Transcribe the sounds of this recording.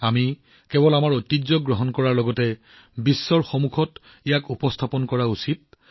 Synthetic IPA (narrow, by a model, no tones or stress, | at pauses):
ami | kɛbɔlamaɹojtizɔɡɹɔɦɔnkɔɹaɹlɔɡɔtɛ | bisːɔɹxɔmukʰɔt | ijakupɔstʰapɔnkɔɹausit̚